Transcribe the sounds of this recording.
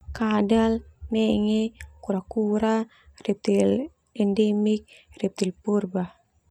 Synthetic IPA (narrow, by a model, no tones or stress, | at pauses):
kadalnɛŋɛkuɾakuɾa | rɛp̚t̪il | ɛndɛmik̚rɛp̚t̪ilpurbah